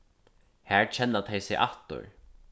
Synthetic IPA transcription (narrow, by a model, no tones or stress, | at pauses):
hæɹt͡ʃʰɛnːat̪ʰejsɪʔaht̪ʊ̰ɹ